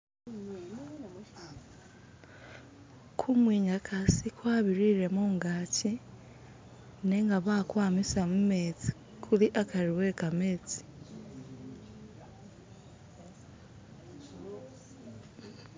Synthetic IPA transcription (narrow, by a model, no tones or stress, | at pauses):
kʰumwiːɲakʰasikwaːβiɾiɾe̞moːŋɡaːci | ne̞ŋɡaβaːkwaːmisamume̞t͡si̥ | kʰuliʔakʰaɾiwe̞kame̞ːt͡si̥